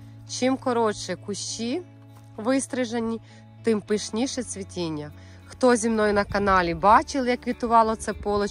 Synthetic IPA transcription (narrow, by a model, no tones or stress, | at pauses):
t͡ʃɪmkɔɾɔt͡ʃɛkʊʃt͡ʃi | ʋɪst̪ɾɪʒɐnʲːi | t̪ɪmpɪʃnʲiʃɛsʲʋʲitʲinʲːɐ | xt̪ɔzʲimnɔjʊnɐkɐnɑlʲibɑt͡ʃɪlˠjɐkʋʲit̪ʊʋɑlˠɔt̪sɛpɔlˠɔ